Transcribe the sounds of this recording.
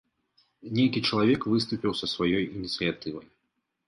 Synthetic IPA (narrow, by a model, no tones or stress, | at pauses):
nʲejkʲit͡ʂɐlˠavʲɛkvɨst̪upʲiwsɐsvajɔjinʲit̪sɨjat̪ɨvɐj